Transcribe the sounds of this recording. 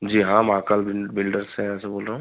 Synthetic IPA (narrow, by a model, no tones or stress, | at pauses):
d͡ʒiːɦãmãːkəlbɪbɪlɖəɾsɛ̃ɛ̃ːseboːlɾəɦũ